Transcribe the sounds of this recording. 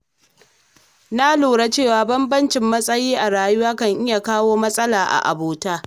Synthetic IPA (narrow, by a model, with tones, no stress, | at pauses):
na˦loː˨ɽa˦t͡ʃeː˦˨waː˨bɐ˦mbɐ˦nt͡ʃɪ˨mːɐ˦sʼɐ˦jiː˦ʔa˨ɾaː˨jʊ˦waː˦kɐ˦˨ŋʔɪ˦ja˨kaː˦woː˦mɐ˦sʼɐ˦laː˨ʔa̰˨ʔa̰˨boː˨taː˦